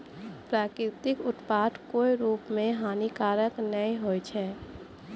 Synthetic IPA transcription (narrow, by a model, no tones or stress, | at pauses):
pɾaːkɾɪt̪ɪkʊt̪paːt̪koːiɾuːpmẽɦaːnikaːɾəknəĩɦoːjt͡ʃʰɛː